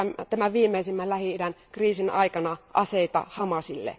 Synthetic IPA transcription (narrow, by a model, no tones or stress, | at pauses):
mt̪æmæʋiːmeisimːællæhiiɾænkriːsinɑ̰ikɑnɑʔɑseit̪ɑ̰hɑmɑsilːḛ